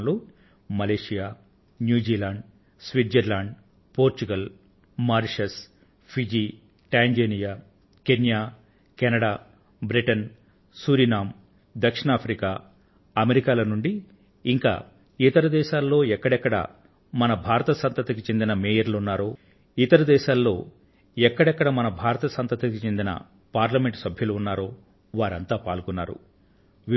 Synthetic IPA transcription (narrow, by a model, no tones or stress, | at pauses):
nloː | mɐleːʂijaː | njuːd͡ʒiːlaːɳɖ | sʋid̪d͡ʒɐɾlaːɳɖ | poːɾt͡ʃuɡɐl | maːɾʂɐs | pʰid͡ʒiː | ʈaːɲd͡ʒeːnijaː | kenjaː | kɛnɐɽaː | bɾiʈɐn | suːɾinaːm | d̪ɐkʂiɳaːpʰɾikaː | ɐmeɾikaːlɐnuɳɖi | iŋka̰ː | it̪ɐɾɐd̪ɛːʃaːlːo̞ːɛkːɐɽɛkːɐɽɐ̰ | mɐnɐbʱaːɾɐt̪ɐsɐnt̪ɐt̪ɐkit͡ʃend̪inɐmɛːjɐɾlunːaːɾo̞ː | it̪ɐɾɐd̪ɛːʃaːlːo̞ː | ɛkːɐɽɛkːɐɽɐmɐnɐbʱaːɾɐt̪ɐsɐnt̪ɐt̪ɐkit͡ʃe̞nd̪inɐ̰ | paːɾlɐme̞ɳʈsɐbʱjɐluːnːaːɾo̞ː | ʋaːɾɐnt̪aːpaːlkunːa̰ːɾṵ